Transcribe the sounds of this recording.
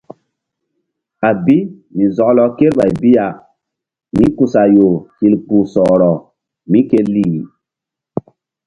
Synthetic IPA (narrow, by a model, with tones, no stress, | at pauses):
a˨bi˦mi˨zɔ˨klɔ˨ke˦ɾɓa˨jbi˦ja˨ | mĩ˦ku˨sa˨jo˨ki˨lpu˨sɔ˨ɾɔ˨ | mĩ˦ke˦li˦˨i˨